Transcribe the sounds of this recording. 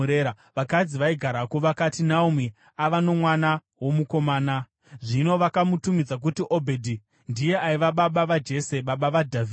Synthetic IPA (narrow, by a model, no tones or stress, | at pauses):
ea | ʋakad͡ziʋaiɡʱaɾakoʋakatinaumi | aʋano̞mwana | wo̞muko̞maːna | ʐino̞ʋakamutumid͡zak̬utiʔobʱe̞dʱi | ndije̞ʔaiʋaɓaɓaʋad͡ʒe̞se̞ɓaɓaʋadʱavi